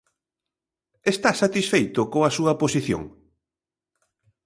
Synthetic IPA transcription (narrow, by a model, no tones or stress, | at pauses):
est̪asat̪isfejt̪ʊkoŋɐsuɐposiθjo̰ŋ